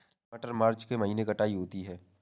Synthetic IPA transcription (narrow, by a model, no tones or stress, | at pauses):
əʈəɾmaːɾt͡ʃkemɐɦiːnekɐʈaːiɦoːt̪iɦɛː